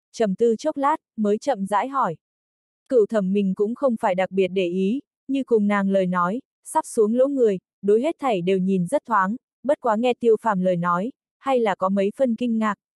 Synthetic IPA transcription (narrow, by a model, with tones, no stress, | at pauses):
t͡ɕə˨˩mt̪ɨ˧t͡ɕo˦˥k͡p̚laː˦˥t̚məː˨˦jt͡ɕə̰˧˨mza̰ː˧˥jɦɔ˧˩j | kɨ̰˧˨wt̪ʰə˧˩mːï˨˩ŋ̟kʊ̰˧˥ŋ͡mxə˧wŋ͡mfaː˧˩jɗa˨˩k̚ɓi˨˩ət̚ɗe˧˩ʔi˨˦ | ɲɨ˧kʊ˨˩ŋ͡mnaː˨˩ŋləː˨˩jnɔ˨˦j | sa˦˥p̚su˨˦əŋlo̰˧˥ŋɨ˨˩əj | ɗo˨˦jɦe˦˥t̚t̪ʰa˨˩jɗe˨˩wɲi˨˩nzə˦˥t̚t̪ʰwaː˨˦ŋ | ɓə˦˥t̚kwaː˨˦ŋɛ˧t̪i˧əwfaː˧˩mləː˨˩jnɔ˨˦j | ha˧jlaː˨˩kɔ˨˦mə˨˦jfə˧nkï˧ŋ̟ŋaː˨˩k̚